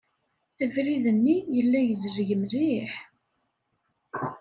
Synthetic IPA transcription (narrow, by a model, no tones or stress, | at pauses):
ævɾiðənːijəlːæjəzəɾʝəmliħ